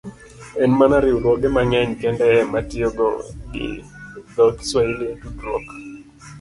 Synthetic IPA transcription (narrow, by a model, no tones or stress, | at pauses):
ɛnmanaɾɪuɾwɔɡɛmaŋɛɲkɛndɛːmatɪɔɡɔ̰ɡɪ̰d̪ɔkswailedudɾɔ̰k